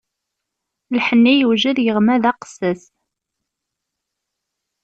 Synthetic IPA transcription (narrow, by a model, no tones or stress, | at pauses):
lħənːijəwʒəðjəʁmæðɑqə̥sːəs